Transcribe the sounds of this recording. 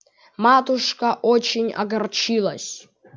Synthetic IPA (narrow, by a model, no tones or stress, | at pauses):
mat̪ʊʂkɐʔot͡ɕɪnʲɐ̰ɡɐrt͡ɕilˠɐsʲ